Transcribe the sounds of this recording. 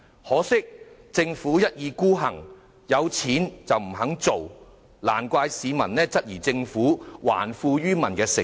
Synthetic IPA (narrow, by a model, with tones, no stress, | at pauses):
hɔː˨˥sɪ˥k̚t͡sɪ˧ŋfuː˨˥jɐ˥t̚jiː˨˧kuː˥ɦɐ˨˩ŋ | jɐ˨˧wt͡sʰiː˨˥nt͡sɐ˨wm̩˨˩hɐ˨˥ŋt͡so˨w | la̰ː˨˩nkʷaː˧jsiː˨˧mɐ˨˩nlɛː˥t͡sɐ˥t̚jiː˨˩t͡sɪ˧ŋfuː˨˥wa̰ː˨˩nfuː˧ɥyː˥mɐ˨˩nkɛː˧sɪ̰˨˩ŋ